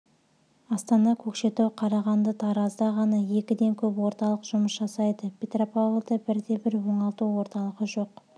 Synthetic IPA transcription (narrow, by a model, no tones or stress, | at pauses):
ɑst̪ɑnɑkʲʰɵkʃe̞t̪uwqʰɑɾɑʁɑnd̪ət̪ʰɑɾɑzd̪ɑʁɑnɑje̞kʲɪd̪e̞ŋkʲʰɵpwo̞ɾt̪ɑlˠəqʒ̥ʊməsʒɑsɑjd̪əpʰʲe̞t̪ropovlˠd̪əbɪɾd̪e̞bɪɾwo̞ɴɑlˠt̪uwo̞ɾt̪ɑlˠəʁəʒo̞q